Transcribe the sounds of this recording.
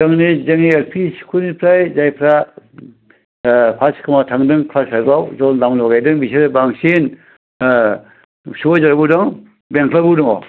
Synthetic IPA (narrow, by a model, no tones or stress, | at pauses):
zaŋnizɯŋieɾpʰisi̥kʰunipʰɾajzajpʰɾa | pʰaskʰɯmatʰaŋdɯŋkʰlasaɾbawzɔlnamlɔɡajdɯŋbiseɾɯbaŋsin | suɔzaɾabudɔŋ | beŋkʰlabudɯŋɔ